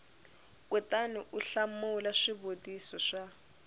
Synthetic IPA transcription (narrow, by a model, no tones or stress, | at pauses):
kutaniʔuɬamulaʂibodisɔʂa